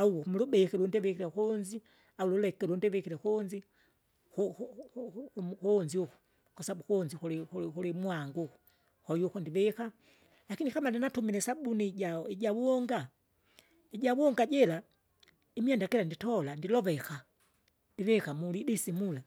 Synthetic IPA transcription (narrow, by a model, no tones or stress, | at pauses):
auwɔmulubɛkɛlundɛvɛkiɾɛkɔnzi | aululɛkɛlundɛvɛkiɾɛkɔnzi | u | kuːnziuku̥ | kwasaabukunzikulikukulimuaŋɡuku̥ | hɔjukundivɛka | lakinikamaninatumilɛsabuniɟaiɟawuɔŋɡa | iɟawuɔŋɡaɟɛla | imiandakɛlanditɔlandilɔvɛxa | ndiβɛkamulidisimula